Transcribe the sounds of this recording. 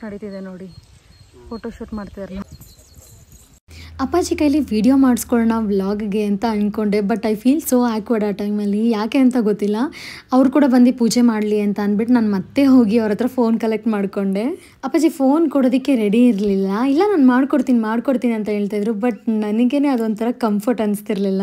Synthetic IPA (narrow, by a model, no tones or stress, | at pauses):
nɐɽit̪id̪enoːɽi | fʰoːʈoʃuːʈmaːɽt̪id̪ɐɾla | ɐpːaːd͡ʒikɐjliʋiːɽijomaːɽskoɭnaʋlaːɡɡe̞ɐnt̪ɐɐnko̞ɳɖe̞bɐʈːɐjfʰiːlso̞ːaːkʋɐɖɐʈɐjmɐlːijaːke̞ɐnt̪ɐɡot̪ːilːɐɐʋɾukuːɽɐbɐnd̪ipuːd͡ʒemaːɽliɐnt̪ɐːnbiʈnaːnmɐt̪ːe̞ɦo̞ːɡiɐʋɾɐt̪ɐɾɐfoːnkɐlek̚ʈmaːɽko̞ɳɖe̞ | ɐpːaːd͡ʒifoːnkoɽoːd̪ikːe̞ɾeɽiːɾlilːɐilːɐnaːnmaːɽkoɽt̪iːnimaːɖkoɽt̪iːniɐnt̪ɐɦeːɭt̪ajd̪ɾubɐʈ̚nɐniɡe̞neːɐd̪ond̪t̪ʰɐɾɐkɐmpʰɐɾʈɐnst̪iɾlilːɐ